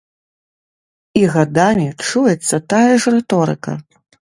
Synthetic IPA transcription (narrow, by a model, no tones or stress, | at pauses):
iɣad̪amʲit͡ʂujɛt̪sːɐt̪ajɐʐrɛt̪ɔɾɨ̰kɐ̰